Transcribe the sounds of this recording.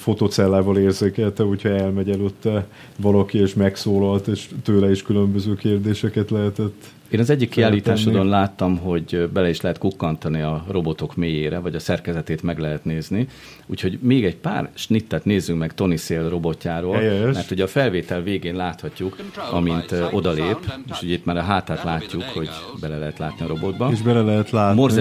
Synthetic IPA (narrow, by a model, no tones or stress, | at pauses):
fo̞t̪oːt̪sɛlːaːvɒleːrzeːkɛlt̪ɛuchoɛlmɛɟɛløːt̪ːɛ | vɒlɒkieːʃmɛksoːlɒlt̪eːʃt̪øːlɛiʃkylømbøzøːkeːrd̪eːʃɛkɛt̪lɛɦɛt̪ɛt̪ː | eːnɒzɛɟːikːiaːlːiːt̪aːʃod̪onlaːt̪ːɒmɦo̞ɟbɛlɛiʃlɛɦɛt̪kukːɒnt̪ɒniɒro̞bo̞t̪o̞kmeːjeːɾɛvɒɟɒsɛrkɛzɛt̪eːt̪mɛɡlɛɦɛt̪neːzni | ṵːcho̞ɟmeːɡɛɟpa̰ːrʃnit̪ːɛt̪neːzːyŋkmɛkt̪o̞niseːlro̞bo̞cːaːɾoːlmɛrt̪ho̞ɟɒfɛlveːt̪ɛlveːɡeːnlaːt̪hɒcːukɒ̰mint̪ʔo̞d̪ɒleːpeːʃhojit̪ːmaːɾɒɦaːt̪aːt̪laːcːukho̞ɟbɛlɛlɛɦɛt̪laːt̪niɒɾo̞bo̞d̪bɒeʒbɛlɛlɛɦɛt̪laːmorzzɛ